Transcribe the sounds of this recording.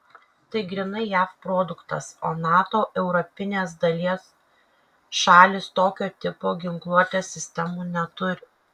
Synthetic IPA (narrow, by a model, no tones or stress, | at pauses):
t̪ɐɪɡɾʲɪnɐɪjæːfpɾoːd̪ʊkt̪ɐ̰soːnɑːt̪oːʔɛʊɾɔpʲɪnʲeːsd̪ɐlʲiɛs | ʃɑːlʲɪst̪oːkʲoːt̪ʲɪpoːɡʲɪŋklˠuɔt̪ʲeːsʲɪsʲt̪ʲɛmuːnʲɛt̪ʊɾʲɪ